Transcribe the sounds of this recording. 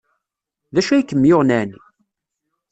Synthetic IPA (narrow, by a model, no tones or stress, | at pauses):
ðæʃæjkːəmːjoʁnæni